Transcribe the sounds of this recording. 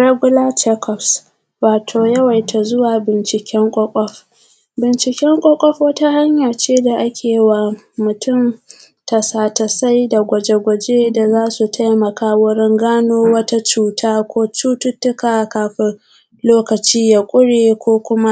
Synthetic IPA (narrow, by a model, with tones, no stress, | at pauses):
ɽa˦ɡʷʊ˦laː˦t͡ʃɛ˦kʰɔ˨ps | waː˨tʰoː˨jɐ˦wa˨jtʰa˨zʊ˦waː˨bɪ˨nt͡ʃɪ˨kʲɛ˦ŋkʷʼɔ˦kʷʼɔ˦ɸ | bɪ˨nt͡ʃɪ˨kʲɛ˦ŋkʷʼɔ˦kʷʼɔ˦ɸwɐ˦ta˦ha˦ɲja˨t͡ʃeː˦da˨ʔa˦kʲʰeː˨˦wa˨ | mʊ˨tʰʊ˦m | ta˨saː˨ta˨sa˦jda˨ɡʷɐ˨d͡ʒe˨ɡʷɐ˨d͡ʒeː˦da˨zaː˦su˨tʰa˦jmɐ˨kaː˦wʊ˦ɽɪ˦ŋɡaː˦noː˦wɐ˦ta˦t͡ʃuː˦tʰaː˦kʷoː˦t͡ʃuː˦tʊ˦tːʊ˦kaː˨kaː˨ɸɪ˦ | loː˦kɐ˨t͡ʃiː˦ja˨kʷʼʊ˦ɽeː˨kʷoː˦kʷʊ˦ma˦